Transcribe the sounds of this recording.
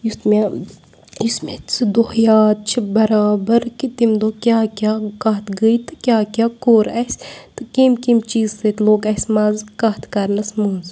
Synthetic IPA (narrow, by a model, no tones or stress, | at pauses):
just̪me | jusmet͡sʰɨd̪ohjaːt̪̚t͡ʃʰibɐɾaːbɐɾkit̪imd̪oːkʲjaːkʲaːkɐɦt̪ɡəjt̪ɨkʲjaːkʲaːkoːɾɐsʲt̪ɨkimkimt͡ʃiːzset̪loːkɐsʲmaːzkɐt̪ʰkɐɾnɐsmuːnz